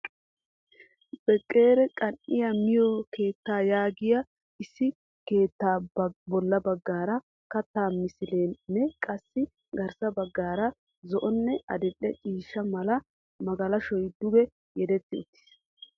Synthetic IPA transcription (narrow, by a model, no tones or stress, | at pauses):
b̥ɛkʼːeːɾɛkʼɐnʔɪjɐmɪjɔke̞ːt̪ːaːjaːɡɪjɐ | ɪsːɪ | ke̞ːt̪ːaːbɔlːɐbɐɡːaːɾɐ | kɐt̪ːaːmɪsɪleːnːɛkʼɐsːɪ | ɡɐɾsɐbɐɡːaːɾɐ | zɔʔɔnːɛʔɐ̰d̪ɛɗɛt͡ʃʼiːʃːɐmɐlɐ | mɐɡɐlɐʃɔjd̪ʊɡɛ | jɛd̪ɛt̪ːɪʊ̰t̪ːɪ̥s